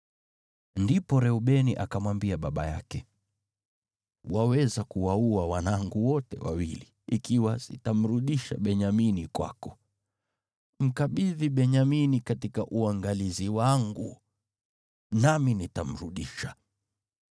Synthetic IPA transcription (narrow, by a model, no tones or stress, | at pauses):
ndipɔɾɛuɓɛniʔakamwambiaɓaɓa̰ja̰kɛ | wawɛzakuwauawanaŋɡuwɔtɛ̰wa̰wili | ikiwazḭtam̩ɾuɗiʃa̰ɓɛɲaminikwa̰kɔ̥ | m̩kaɓiðiɓɛɲaminikatikaʔuaŋɡaliziwaŋɡu | naminitam̩ɾuɗiʃḁ